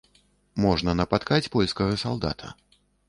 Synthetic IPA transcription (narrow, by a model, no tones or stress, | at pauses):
mɔʐnɐnɐpat̪kat͡sʲpɔlʲskɐɣɐsalˠd̪a̰t̪ʰɐ̰